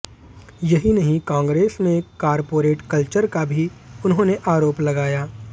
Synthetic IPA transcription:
jɐɦinɐɦĩkãːŋɡɾeːsmẽkaːɾpoːɾeːʈkɐlt͡ʃəɾkabʱiʊnɦõːneʔaːɾoːplɐɡaːjaː

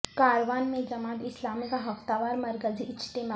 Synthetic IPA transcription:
kaːɾʋaːnmẽd͡ʒɐmaːt̪ɪslaːmikaɦɐft̪aːʋaːɾmɐɾkəziʔɪt͡ʃt̪eːma

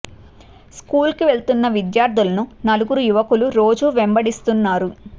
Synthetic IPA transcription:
skuːlkiʋe̞ɭt̪unːɐʋid̪jaːɾd̪ʱulɐnunɐluɡuɾujuʋɐkuluɾo̞ːd͡ʒuʋembɐɽist̪unːaːɾu

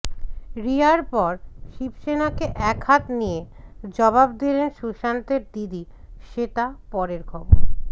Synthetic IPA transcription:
ɾiaɾpɔɾʃibʃenakeʔɛkhat̪nijed͡ʑɔbab̚d̪ilenʃuʃant̪eɾd̪id̪iʃet̪apɔɾeɾkʰɔboɾ

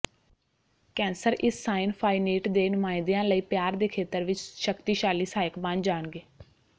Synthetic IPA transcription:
kɛ̃ːnsəɾʔɪsːaːɪnpʰaːiniːʈd̪eːnʊmaːɪnd̪eãːləiːpjaːɾd̪eːkʰeːt̪əɾʋɪt͡ʃʃəkt̪iːʃaːliːsaːjəkbãnd͡ʒaːɳɡeː

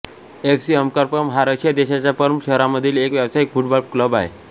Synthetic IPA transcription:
eksiɦəmkəɾpəmɦaɾaɕjad̪eɕat͡ɕjapəɾmɕəɦɾaməd̪ʱiːlekʋjabsaikfuʈbalbkləbaɦḛ

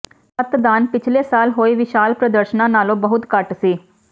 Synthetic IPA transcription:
sət̪d̪aːnpɪt͡ʃʰleːsaːlɦoːiːʋɪʃaːlpɾəd̪əɾʃnãːnaːlõːbəɦʊt̪kəʈsiː

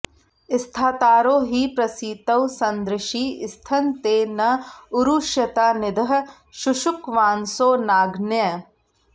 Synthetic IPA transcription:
ɪst̪ʰaːt̪aːɾoːɦiːpɾɐsiːt̪ɐwsɐ̃nd̪ɾɪʃiːɪst̪ʰɐnt̪eːnɐʊɾuːʃjɐt̪aːnɪd̪ɐɦ̆ | ʃʊʃʊkʋaːnsoːnaːɡnjə

